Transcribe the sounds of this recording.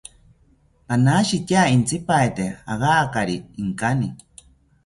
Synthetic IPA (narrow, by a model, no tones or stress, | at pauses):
panaːʃitʲaːint͡sʰipaet̪ea̰ɣaːkaɾiːŋkani